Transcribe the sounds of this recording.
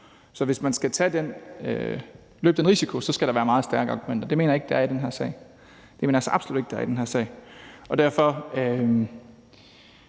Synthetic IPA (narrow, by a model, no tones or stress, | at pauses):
sɒ̽ʋe̝smænsɡ̥æt͡sʰæd̥en | lø̰ːb̥d̥enʁisikʰo̝sɒ̽sɡ̥æɾɑʋæːɐmɑ̈ːð̩ˠsd̥æɐɡ̥əɑ̈ːɡ̥umen̰d̥ɐd̥e̝me̝ːnɐje̝ɡ̥əd̥eæɐid̥ɾenɦæɐ̰sɛ̰ɪ | d̥eme̝ːnɐæsɒʔɑ̥̈slṵd̥e̝ɡ̥̚d̥eɐidenɦæɐ̰sɛ̰ɪ̰ɒ̽d̥æɐ̰fɒ̽ø